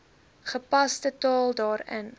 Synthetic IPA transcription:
χəpɐstətɑːlˠdɑːɾə̰n

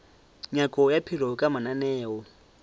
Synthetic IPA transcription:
ɲakʼɔjapʰir̤ɔkʼamananɛːɔ

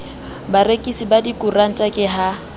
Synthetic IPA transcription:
barekʼisibadikʼuran̩tʼakʼɪɦa

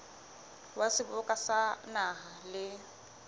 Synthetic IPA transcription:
wasɪbʊkʼasanaɦalɪ

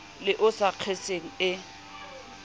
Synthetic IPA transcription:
lɪʔʊsaq͡χʰeseŋ̩ɪ

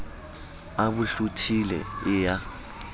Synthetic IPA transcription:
aɓuɬutʰilɛ̰ɪːja

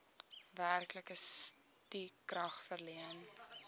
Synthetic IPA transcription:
værkləkəs | tikrɐχfərliən

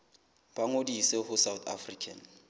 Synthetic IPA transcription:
b̥aŋodisehʊsawt̪a̰frikʰa̰n

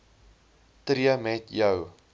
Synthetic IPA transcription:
tɾiəmɛtjəw

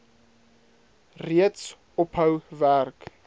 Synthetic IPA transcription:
riəts | ɔpɦəwværk

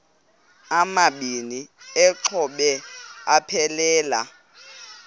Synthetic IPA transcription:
amaɓiniɛǁʰɔɓɛapʰɛlɛːla̰

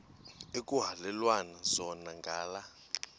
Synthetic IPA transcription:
ekʼuɦalɛlwanaz̥ɔnaŋɡʱaːla

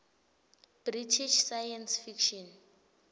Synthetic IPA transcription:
b̥ritʰiʃsajɛnsfikʃɔn

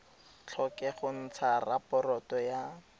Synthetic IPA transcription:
t͡ɬʰɔkɛχʊn̩t͡sʰarapɔrɔtɔja

